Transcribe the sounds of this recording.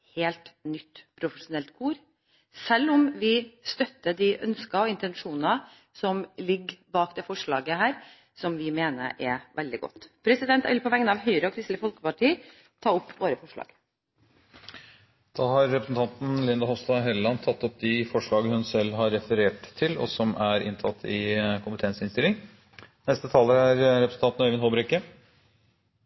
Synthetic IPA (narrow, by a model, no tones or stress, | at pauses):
heːlt̪nʏt̪ːpʰɾʊfəʂʊnɛlt̪kʰuːɾ | sɛlːɔmʋɪst̪œt̪ːəd̪ɪʔœnskɑɔɪnt̪ɛnʂuːnɑ | sɔmlɪɡbɑːkd̪eːfɔʂɭɑːɡəhæːɾ | sɔmʋɪmeːnə̰ʔɛʋʔɛld̪ɪɡɔ̰t̪ːpʰɾɛsɪd̪ɛnt̪æɪlpʰɔʋɛŋːənɑʋɦœʏɾəɔkʰɾɪst̪ləfɔlkə̥pɑʈʰiːə | t̪ʰɑːʊpːʋoːɾəfɔʂɭɑ̰ːɡ̥ | d̪̥ɑːhɑɾːɛpɾəsn̩t̪ʰɑnt̪n̩lɪnd̪ɑhɔst̪ɑɦɛlːɑnt̪ʰɑt̪ːɔp̚d̪ɪfɔʂɭɑːɡəhʉnsɛlːɦɑɾːɛfəɾeːʈt̪ʰːɪlɔ̰sɔmæɾɪ̰nt̪ʰɑt̪ʰːɪkʰʊmpət̪ʰɛnsəɪnst̪ɪlːɪŋ | nɛst̪ət̪ʰɑːləɾæɾɾɛpɾəsn̩t̪ɑnt̪n̩œɪʋɪnɦɔbɾɛkːə